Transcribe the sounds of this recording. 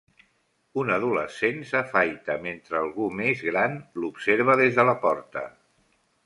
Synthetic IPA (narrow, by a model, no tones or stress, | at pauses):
unəðuləsensəfajt̪əment̪ɾəːlˠɣumezɣɾanlupseɾβ̞əðezðələpɔɾt̪ə̰